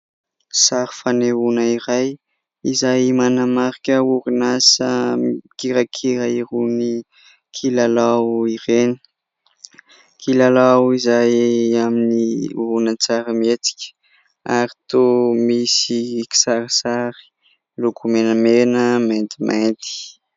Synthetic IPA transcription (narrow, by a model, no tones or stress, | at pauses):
saɾifaneunaiɾaj | izajmanamaɾikʲəuɾinasəkiɾakʰiɾaiɾuni | kʰilalawiɾenə̥ | kʰilalawizajaminivunət͡saɾəmet͡si̥kʲə̥ | aɾit̪omisiki̥saɾisaɾi̥ | lukʰumenəmenəment̪imʔet̪i̥